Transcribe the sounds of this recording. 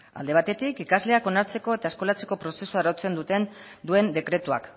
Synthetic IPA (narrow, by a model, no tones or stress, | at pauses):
a̰ld̪e̞β̞at̪e̞t̪ikikazle̞ako̞naɾt͡se̞ko̞e̞t̪aesko̞lat͡se̞ko̞pɾo̞se̞suaɾot͡se̞nd̪ut̪e̞nd̪ue̞nd̪e̞kɾe̞t̪ua̰k